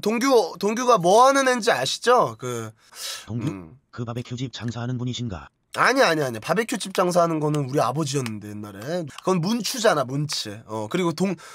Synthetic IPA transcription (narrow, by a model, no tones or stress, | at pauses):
toŋɡjotoŋɡjuɡamʌanɯnend͡ʑiaɕʰi̥d͡ʑokɯ | toŋukɯpabekʰjod͡ʑip̚t͡ɕaŋsʰaɦanɯnbuɲiɕʰinɡa̰ | aɲiaɲiaɲpabe̞kʰjod͡ʑip̚t͡ɕ͈aŋs̬ʰaɦanɯnɡʌnɯnuɾiabʌd͡ʑiʌnːɯnde̞inːaɾe̞ɡʌnmunt͡ɕʰud͡ʑanamunt͡ɕʰeʌkɯɾiɡotoŋ